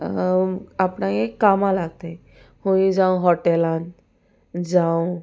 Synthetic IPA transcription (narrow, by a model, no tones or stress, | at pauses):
apnãjekamalaɡt̪a | hoĩd͡zaw̃ɦɔʈelãn | d͡zaw